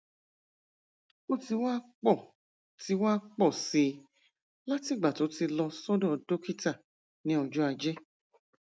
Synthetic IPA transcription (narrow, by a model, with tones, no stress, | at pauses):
ko˦ti˧waː˦k͡pɔ˦˨ | ti˨˦waː˦k͡pɔ˦˨si˧ | la˦ti˦˨ɡ͡ba˨to˨˦ti˧lɔ˧sɔ˦dɔ̃˦ɔ˨do˦ki˦ta˦˨ | nĩ˨˦ɔ˧˨d͡ʒɔ˦a˧d͡ʒɛ˦